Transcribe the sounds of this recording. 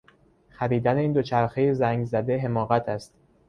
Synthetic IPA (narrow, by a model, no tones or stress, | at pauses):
xæɾiːd̪æne̞iːnd̪ot͡ʃʰæɾxe̞jezæŋɡzæd̪e̞ɦe̞mɒːɣæt̪ʰæst̪